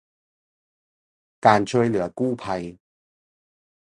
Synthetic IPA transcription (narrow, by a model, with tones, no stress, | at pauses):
kaː˨˩nt͡ɕʰɵ˧jlɯ˨˩˦əkuː˥˩˨pʰa˧j